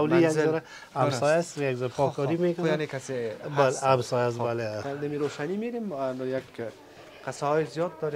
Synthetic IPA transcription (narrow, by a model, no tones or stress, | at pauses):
awlijaɡɔɾa | amsɔjast̪jakzɔɾapɔkɔɾimekʊnaankasebaleamsɔjas̬balead̪amiɾoʃanimeɾemnjak | qɪsaɦɔjɪzijɔd̪̚d̪ɔɾe